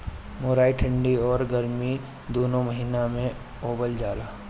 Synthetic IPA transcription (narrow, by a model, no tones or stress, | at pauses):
moːɾaːiʈʰə̃ɳɖiɔːɾɡəɾmi | d̪oːnõməɦiːnamẽ | oːbəld͡ʒaːlaː